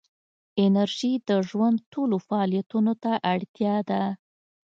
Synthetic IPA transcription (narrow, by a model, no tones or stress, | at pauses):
ɪnaɾʒid̪əʒwand̪̚ʈolofaɑlijat̪unot̪aʔaɽt̪jɑd̪a